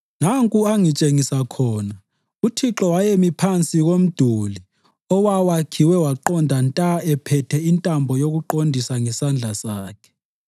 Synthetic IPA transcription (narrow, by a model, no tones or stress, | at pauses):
naŋkʼuaŋit͡ʃʼeŋisakʰɔːna | utʰiǁɔwajemipʰant͡sʼiɣom̩d̥ʱuli | ɔwawakʰiwɛwaǃɔndʱantʼaɛpʰɛtʰɛintʼambʱɔjoɣuǃondʱisaŋɛsand͡ɮʱasaːkʰɛ̥